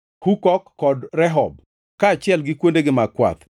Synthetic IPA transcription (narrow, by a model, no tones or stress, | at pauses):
hukɔkːɔdɾɛɦɔb̚ | kaːt͡ʃɪɛlɡɪkwondeɡɪmakwa̰t̪